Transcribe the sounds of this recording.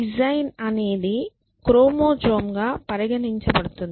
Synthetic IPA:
id͡ʒɐjnɐne̞ːd̪i | kɾoːmoːd͡ʒoːmɡaːpɐɾiɡɐniɲt͡ʃɐbɐɽut̪und̪i

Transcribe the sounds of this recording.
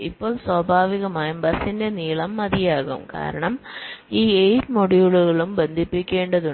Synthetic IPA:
ipːo̞ːɭswɐbʱaːʋiɣɐmaːjumbɐsinde̞niːɭɐmːɐðijaːɣṵmka̰ːɾɐɳɐmiːejtmoɽijuɭuɣɐɭumbe̞nd̪ʱipːikʲːe̞ːɳɖɐðu

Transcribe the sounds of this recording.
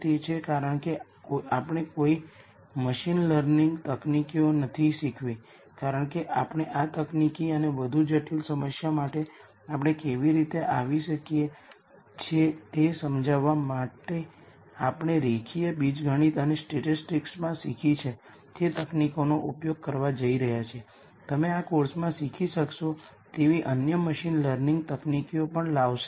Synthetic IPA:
t̪it͡ʃʰekaɾəɳke | oapɽ̃ekoi | məʃinləɾniŋɡt̪əknikionət̪ʰiʃikʰʋi | kaɾəɳkeʔapɳ̃eʔat̪əknikiəneʋəd̪ʱud͡ʒəʈʰilsəməsjamaʈe | apɽ̃ekeʋiɾit̪eʔaʋiʃəkie | t͡ʃʰet̪esəmd͡ʒaʋamaʈe | apɽ̃eɾekʰiebid͡ʒɡʱəɽ̃it̪ənesʈeʈisʈiksmãsikʰit͡ʃʰe | t̪et̪əknikonoʔupjoɡ̚kəɾʋad͡ʒəiɾəɦjat͡ʃʰie | t̪əmeakoɾsmãsikʰiʃəkʃo | t̪eʋiʔənjəməʃinləɾnĩŋɡt̪əknikiopəɳlaʋʃe

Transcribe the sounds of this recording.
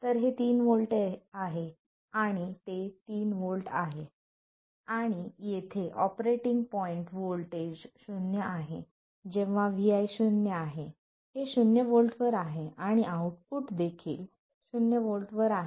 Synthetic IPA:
t̪əɾɦet̪iːnʋolʈeaɦe | aɽ̃it̪et̪iːnʋolʈaɦe | aɽ̃ijet̪ʰeʔɔpɾeʈiŋɡ̚pɔiɳʈʋolʈed͡ʑɕunjəʔaɦe | d͡ʑẽʋ̤aʋiajɕunjəaɦe | heɕunjəʋolʈʋəɾaɦeaɽ̃iʔauʈ̚puʈd̪ekʰḭːl | ɕunjəʋolʈʋəɾaɦ

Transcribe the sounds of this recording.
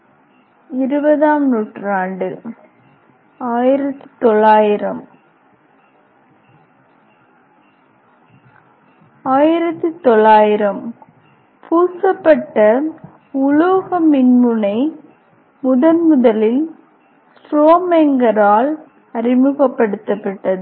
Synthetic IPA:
ɪɾɯbɐðaːmnuːʈraːɳɖɯ | aːjɪɾɐt̪ːɯ̥t̪ɔɭːaːjɪɾɐm | aːjɪɾɐt̪ːɯt̪ːɔɭːaːjɪɾɐm | pʰuːsɐpːɐʈːɐ | ʊloːɣɐmɪnmɯnɐɪ | mʊðɐnmʊðɐlɪl | sɾoːmeŋɡɐɾaːl | ɐɾɪmɯɣɐpːɐɽɯt̪ːɐpːɐʈːɐðɯ

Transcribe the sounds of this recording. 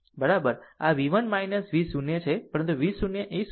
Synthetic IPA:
bəɾabəɾaʋiʋənmajnəsʋisunjət͡ʃʰepəɾənt̪uʋisunjəʔes

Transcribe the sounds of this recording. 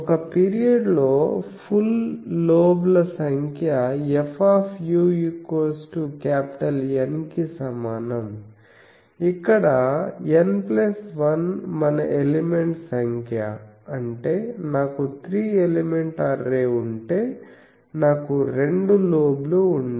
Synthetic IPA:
ɔkɐpiːɾijɐɖlo̞ːpʰulːoːblɐsɐŋkʰjaepʰaːpʰjuːikoːsʈukaːpi̥ʈɐlenkisɐmaːnɐm | ikːɐɽɐenplɐsʋɐnmɐnɐ̰ʔelemeɳʈsɐŋkʰja̰ɐɳʈe̞ːnaːkut̪ʰɾiːelemeɳʈaɾːeːuɳʈeː | naːkuɾe̞ɳɖuloːbluuɳɖ

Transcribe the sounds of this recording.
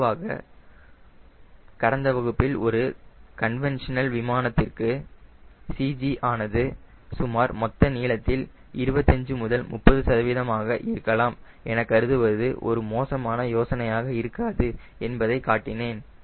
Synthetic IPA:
ʋaːɣɐ̰ | kɐɾɐnd̪ɐʋɐɣɯpːɪlɔɾɯkɐnʋɛnʂɐnɐlʋɪmaːnɐt̪ːɪrkɯ | sid͡ʒiʔaːnɐðɯ | sʊmaːɾmɔt̪ːɐniːɭɐt̪ːɪl | ʔɪɾɯbɐt̪ːɐɲd͡ʒɯmʊðɐlmʊpːɐðɯsɐðɐʋɪðɐmaːɣɐʔɪɾɯkːɐlaːm | ɛnɐkːɐɾɯðɯʋɐðɯʔɔ̰ɾɯmoːsɐmaːnɐjoːsɐnɐjaːɣɐɪɾɯkːaːðɯ | ɛnbɐðɐɪkaːʈːɪneːn

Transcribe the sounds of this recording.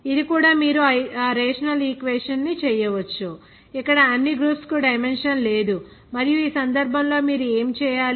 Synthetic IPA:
id̪ikuːɽaːmiːɾuɐɾeːʂɐnɐliːkʋeːʂɐnːit͡ʃɛːjɐʋɐt͡ʃːu | ikːɐɽɐːnːiɡɾuːpskuɖɐjmenʂɐnleːd̪u | mɐɾijuiːsɐnd̪ɐɾbʱɐmlo̞ːmiːɾueːmt͡ʃɛːjaːl

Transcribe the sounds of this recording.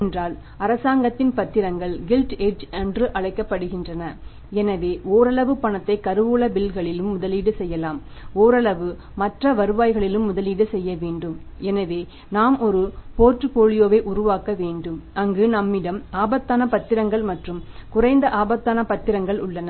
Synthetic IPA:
ɛndraːl | ɐɾɐsaːŋɡɐt̪ːɪnpɐt̪ːɪɾɐŋɡɐɭɡɪlʈeːd͡ʒɐnɖrɯʔɐɻɐɪkːɐpːɐɽɯɣɪndrɐnɐ | ɛnɐʋeːʔoːɾɐɭɐʋɯpɐɳɐt̪ːɐɪkɐɾɯʋuːɭɐbɪlɣɐɭɪlɯmːʊðɐliːɽɯsɛjːɐlaːm | oːɾɐɭɐʋɯ | mɐʈrɐʋɐɾɯʋaːjɣɐɭɪlɯmːʊðɐliːɽɯsɛjːɐʋeːɳɖɯm | ɛnɐʋeː | naːmʔɔɾɯpoːʈrɯpoːɻɪjoːʋeːʔʊɾʊʋaːkɐʋeːɳɖɯmɐŋɡɯnɐmːɪɽɐmaːbɐt̪ːaːnɐpɐt̪ːɪɾɐŋɡɐɭmɐʈrɯmkʊrɐɪnd̪ɐʔaːbɐt̪ːaːnɐpɐt̪ːɪɾɐŋɡɐɭʊ̰ɭːɐnɐ

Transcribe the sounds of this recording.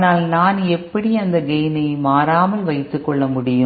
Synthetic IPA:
naːlnaːnɛppːɐɽiɐnd̪ɐɡɛjnɐɪmaːɾaːmɐlʋɐɪt̪ːɯkːɔɭːɐmʊɽɪjɯ

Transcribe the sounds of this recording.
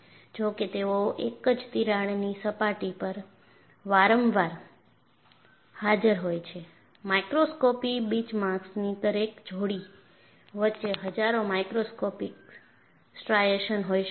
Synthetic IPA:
d͡ʒoket̪eoʔekəd͡ʒt̪iɾaɽnisəpaʈipəɾ | ʋaɾəmʋaɾ | had͡ʒəɾɦojt͡ʃʰe | majkɾoskopibit͡ʃmãksnit̪əɾekd͡ʒʱoɽi | ʋətːʃeɦəd͡ʒaɾomajkɾoskopik | sʈɾajeʃənɦojʃ

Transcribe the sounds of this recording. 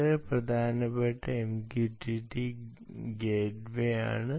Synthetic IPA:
eprɐd̪ʱaːnɐpːɐʈːɐemkjuʈiʈːi | ɡeːɖʋeja̰ːɳɨ

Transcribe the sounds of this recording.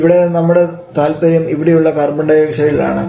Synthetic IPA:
ʋiɽe̞nɐmːuɽe | t̪aːlpɐɾjɐmiʋiɽijuɭːɐkɐrbɐɳɖɐjekʂɐjila̰ːɳɨ

